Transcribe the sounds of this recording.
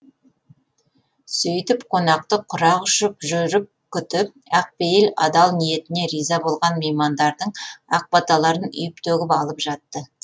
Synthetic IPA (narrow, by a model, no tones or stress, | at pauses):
sɵjt̪ɪpqʰo̞nɑq̚t̪əqʰʊɾɑʁʊʃəpʒʏɾɪp̚kʲʰʏt̪ɪp̚æq̚pejɪlɑ̰d̪ɑlˠnije̞t̪ɪne̞ɾijzɑbo̞lˠʁɑnmejmɑnd̪ɑɾd̪əɴɑ̰q̚bɑt̪ɑlˠɑɾənʏ̰jɪp̚t̪ʰɵɡʲɪpɑlˠəpʒɑt̪ːə